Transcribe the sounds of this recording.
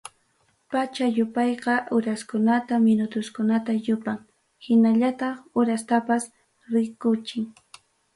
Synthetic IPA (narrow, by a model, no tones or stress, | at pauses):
pat͡ʃajʊpɑjqɑʔʊɾaskʊnat̪amɪnʊt̪ʊskʊnat̪ajʊpaŋ | hɪnaʎat̪ɑχʊɾast̪apas | ɾɪkʊt͡ʃɪŋ